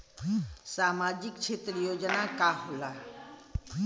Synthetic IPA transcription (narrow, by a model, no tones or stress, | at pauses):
saːmad͡ʒikt͡ʃʰeːt̪ɾəjod͡ʒnakaɦola